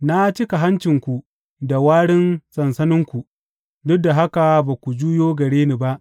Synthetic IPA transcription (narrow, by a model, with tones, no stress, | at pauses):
na˦t͡ʃɪ˦ka˨ɦa˦nt͡ʃɪ˨ŋkʷu˨ | da˨waː˦ɽɪ˦nsɐ˨nsɐ˦nɪ˦ŋkʷu˨ | dʊ˦dːa˨ɦa˦ka˨baː˨kʷu˨d͡ʒuː˦joː˦ɡɐ˨ɽeː˦ni˨ba˦ʔ